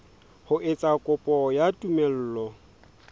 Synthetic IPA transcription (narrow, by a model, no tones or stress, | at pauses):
hʊʔɪt͡sʼakʼʊpʼɔjatʼumɛl̩ːlɔ